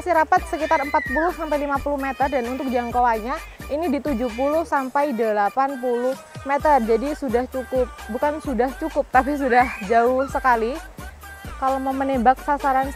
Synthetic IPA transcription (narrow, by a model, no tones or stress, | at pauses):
asiɾapat̪̚səkit̪arəmpat̪̚pulʊhsampajlimapulʊhmet̪ərdanunt̪ʊk̚d͡ʒaŋkowaɲainidit̪ud͡ʒuhpulʊhsampajdəlapanpulʊh | met̪ərd͡ʒadisudaht͡ʃukʊp̚bukansudaht͡ʃukʊp̚t̪apis̬udahd͡ʒaʊhsəkali | kalomaumənembak̚sasaɾan